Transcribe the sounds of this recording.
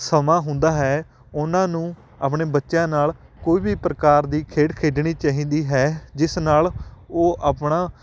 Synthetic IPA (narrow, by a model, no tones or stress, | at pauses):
səmãːɦʊ̃nd̪aːɦɛː | ʊnãːnũː | a̰ːpɳeːbətːʃjãːnaːl | koːiːbiːpɾəkaːɾd̪iːkʰeːʈkʰeːɖɳiːt͡ʃaːɦĩːnd̪iːɦɛːd͡ʒɪsnaːloːʔaːpɳaː